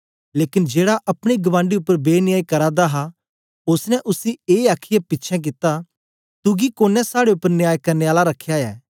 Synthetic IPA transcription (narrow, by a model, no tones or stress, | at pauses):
leːkɪnd͡ʒeːɽaʔɐpɽ̃iɡɐʋãːɳɖiʊpːəɾbeːnɪjaːikɐɾãd̪aɦa | ʊsnɛʔʊsieːaːkʰɪjapɪtːt͡ʃʰɛ̃k̬ɪt̪a | t̪ʊɡikoːnːɛ̃saːɽeʊpːəɾnɪjaːjkɐɾneːaːlaɾɐkʰːjaɛː